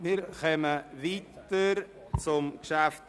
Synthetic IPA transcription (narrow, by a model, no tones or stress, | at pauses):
miɾkœməviːtəɾ | t͡sʊmkʃæft